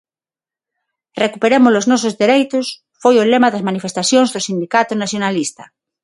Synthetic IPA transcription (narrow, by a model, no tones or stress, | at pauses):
rekupeɾemozloznɔs̬ozðeɾejt̪os | fojolemaðazmanifest̪aθjõnzðosind̪ikat̪onaθjonalist̪a